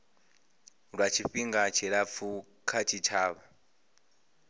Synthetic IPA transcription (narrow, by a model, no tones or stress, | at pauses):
ɺwat͡ʃʰiɸiŋɡat͡ʃʰiɺap̪fʰu | kʰat͡ʃʰit͡ʃʰaːβa